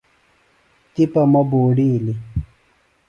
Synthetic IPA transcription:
t̪ipɐmɐboːɖili

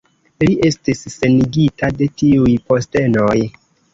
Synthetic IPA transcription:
liʔe̞stisːeniɡitade̞tiujposte̞noj

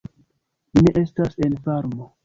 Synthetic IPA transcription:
ne̞ʔe̞stase̞nfaɾmo

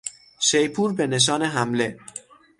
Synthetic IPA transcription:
ʃejpʰuːɾbe̞ne̞ʃ̬ɒːne̞ɦæmle̞

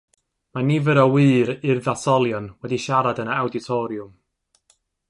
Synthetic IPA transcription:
maniːvəɾɔwɨːɾɪrðasɔlˠjɔnwɛdiʃaɾadənaawdɪtʰɔɾjʊm

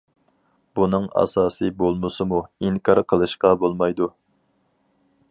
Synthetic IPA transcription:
b̥unɨŋɑ̰sɑːsɨbolˠmɨsɨmuiŋkʰɑɾqʰəlˠɨʃqɑbolˠmɑjd̪u

